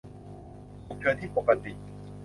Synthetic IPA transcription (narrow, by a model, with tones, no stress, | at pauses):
u˨˩k̚t͡ɕʰɯ˧nt̪ʰiː˥˩po˨˩ka˧t̪i˨˩ʔ